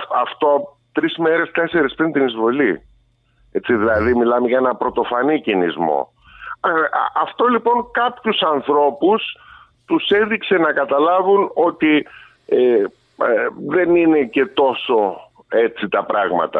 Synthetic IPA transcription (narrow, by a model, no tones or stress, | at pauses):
ɐft̪o̞ | t̪ɾizme̞ɾe̞st̪e̞se̞ɾespɾint̪inizvo̞li | et͡siðilɐðimilɐmeʝɐenɐpɾo̞t̪o̞fɐnicinizmo̞̰ | ɐɐft̪o̞lipo̞ŋkɐpçusɐnθɾo̞pus | t̪use̞ðikse̞nɐkɐt̪ɐlɐvuno̞t̪i | e | ðe̞nine̞ce̞t̪o̞so̞ | e̞t͡sit̪ɐpɾɐɣmɐ̰t̪ɐ̰